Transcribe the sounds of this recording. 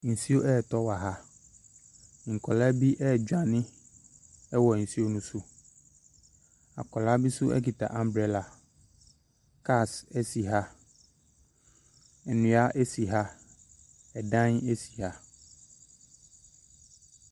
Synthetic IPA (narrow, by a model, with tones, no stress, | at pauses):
n̩˨si˦o˦ʔɛː˦˨tɔ˦wa˨ɦa˦ | ŋ̩˨kʰɔ˨la˦bi˦ʔɛ˦˨d͡ʑᶣã˨nɪ̃˦ | ɛ˦wɔ˨n̩˨si˦o˦nũ˦sʊ˦ | a̰˨kɔ˨la˦bi˦sʊ˦ʔɛ̰˦ki˨ta̰˨ʔã˨m˦bɾɛ˨la˨ | ka˦˨sɛ˦si˨ɦa˦ | ɛ˨nʊ̃˨˦a˦ʔe˦si˨ɦa˦ | ɛ˨dã˦ne˦si˨ha˦